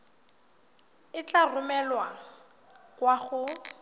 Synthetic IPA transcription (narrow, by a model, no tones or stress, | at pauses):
ɪt͡ɬarʊmɛlwa | kwaɣʊ